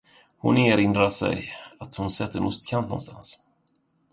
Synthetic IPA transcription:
hʊneːɾɪnd̪ɾaʂɛ̰jat̪hʊnsɛt̪ːəɛ̰nʊst̪kʰant̪nɔ̰nst̪a̰ns

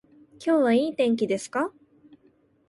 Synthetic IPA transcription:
kʲo̞ːβaiːt̪ẽ̞ŋk̬ʲid̪e̞sɨ̥ka

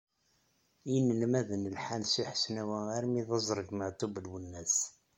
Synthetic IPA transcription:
inːəlmæðənəlħansiħə̥snæwææɾmiðɑzˤɾˤəɡməʕt̪ˤːubəlwənːæs

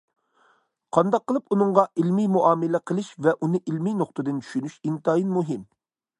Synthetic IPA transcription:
qʰɑnd̪ɑqːəlˠɨpunɨŋʁɑʔilmijmuʔɑːmɪlɛqʰəlˠɨʃvɛʔunɨʔilminoχt̪ɨd̪ɨnt͡ʃʰy̥ʃynyʃint̪ɑjinmuɦɪm

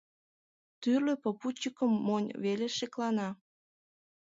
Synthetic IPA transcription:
t̪yrløpoput͡ɕəkəmːonʲveleʃeklɑnɑ

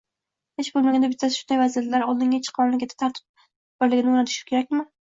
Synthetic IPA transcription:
heʃbolˠmaɡʲand̪abɪt̪ʰːasʃʊnd̪ajvazijat̪laɾɒlˠd̪ɪŋat͡ʃʰɪ̥qʰɒnlɪɡʲat̪ʰḁt̪ʰaɾt̪ʰɪ̥p̚ | bɪɾlɪɡʲɪnɪʊnat̪ʰʊ̥ʃɪ̥kʲʰe̞ɾakʲmɪ

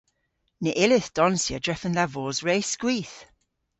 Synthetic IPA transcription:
nɪʔɪlɪθd̥ɔnsjədɹɛfənlavɔːzɹeːskwiːˑθ

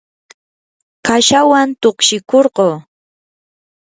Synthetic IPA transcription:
kaʃawant̪oχkʃɪkoɾɢoː

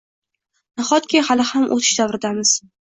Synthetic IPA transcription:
naχɒt̪̚kʲʰɪhalɪhamʔo̰t̪ʰɪ̥ʃd̪avɾɪd̪amɪz̥

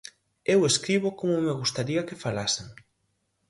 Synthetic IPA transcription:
eweskɾiβ̞ʊkomʊmeɣ̞ust̪aɾiɐkefalaseŋ

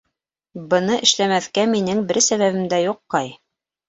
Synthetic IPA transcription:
bɤ̆nɤʔɘ̆ʃlæmæθkæminɘŋbɘɾsæβæβɘ̆md̪æjuqːɑj

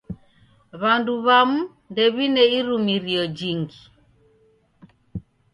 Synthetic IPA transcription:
βanduβamu | ndɛβinɛiɾumiɾiɔd͡ʒiŋɡi

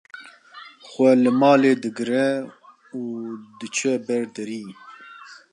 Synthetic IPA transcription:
xʷɛlɨmɑːleːd̪ɨɡɨɾɛ | uːd̪ɨt͡ʃʰɛbɛɾd̪ɛɾiː

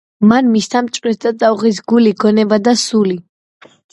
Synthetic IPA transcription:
manmist̪ʰamt͡ʃʼwɛt̪d̪azʼauʁis̬ɡuliɡʰɔnɛbad̪asuli

